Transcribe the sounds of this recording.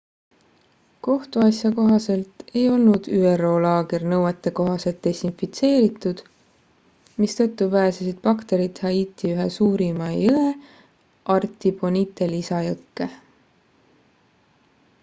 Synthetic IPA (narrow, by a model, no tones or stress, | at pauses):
ko̞ht̪uɑsjɑko̞ɦɑse̞lt̪e̞jo̞lnud̪̥yːero̞ːlɑːɡernɤwet̪ːˑe̞ko̞ɦɑse̞lt̪̚d̪̥e̞sinfit̪se̞ːɾit̪ːˑud̪̥ | mist̪ɤ̞t̪ːˑupæesesid̪̥pɑkt̪e̞ɾit̪hɑiːt̪iyɦesuːɾimɑjɯe | ʔɑrt̪ˑibo̞nit̪ːˑe̞lisɑjɤkːe̞